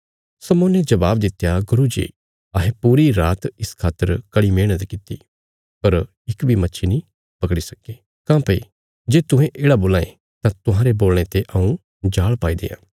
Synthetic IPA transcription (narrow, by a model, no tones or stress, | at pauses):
sɐmõːned͡ʒɐbaːbd̪ɪt̪ːjaɡʊɾud͡ʒḭː | ɐɦẽpuːɾiɾaːt̪ɪskʰaːt̪ːəɾkɐɽimẽːət̪kɪt̪ːḭ | pɐɾ | ɪkbʱimɐtːʃʰinĩ | pɐkɽisɐkːeː | kãːpɐi | d͡ʒeːt̪ʊ̃ɦẽʔeːɽaboːlãːḛ̃ | t̪ãt̪ʊɦãɾeboːlɽ̃et̪eʔɐũ | d͡ʒaːɭpaːid̪ḛːjã̰ː